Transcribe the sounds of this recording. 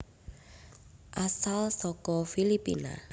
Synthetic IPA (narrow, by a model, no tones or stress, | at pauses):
ʔasalsɔkɔfilipḭna̰